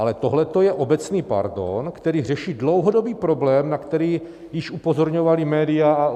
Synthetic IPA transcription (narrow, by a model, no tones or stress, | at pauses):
alɛt̪o̞ɦlɛt̪ojɛʔo̞bɛt͡sniːpa̰ɾdo̰nkt̪ɛɾiːr̝ɛʃiːdlo̞wɦodo̞biːpɾo̞blɛːmnakt̪ɛɾiː | jɪʃʔupo̞zo̞ɾɲo̞valimɛːdɪaa